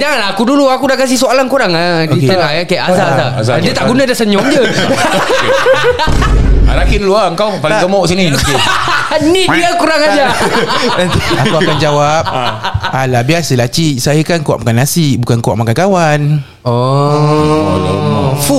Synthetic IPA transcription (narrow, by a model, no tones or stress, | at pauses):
d͡ʒaŋanlaakuduluakudakas̬ihsoalankuɾaŋadianakɛʔazaaazad͡ʒiət̪aʔɡunadasəɲɔŋd͡ʒə | alakiduluaəŋkawpaakəmɔʔs̬inĩəki | nĩiakuɾaŋad͡ʒa | akkuakand͡ʒawap̚alabiasəlat͡ʃisajəkankuwa̰ʔmakanasiʔbukankuwa̰ʔmakankawan | ɔ | fu